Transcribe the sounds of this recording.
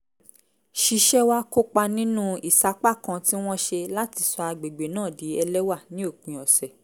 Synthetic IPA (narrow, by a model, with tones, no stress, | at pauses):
ʃi˧ʃɛ˦wa˦ko˦k͡pa˧nĩ˦nũ˦i˦˨sa˨˦k͡pa˦˨kã˧ti˦w̃ɔ̃˦ʃe˧la˦ti˧˨sɔ˧a˧ɡ͡be˨ɡ͡be˨nãː˦˨di˨˦ɛ˧lɛ˦wa˦˨nĩ˦o˦˨k͡pĩ˨ɔ˨sɛ˨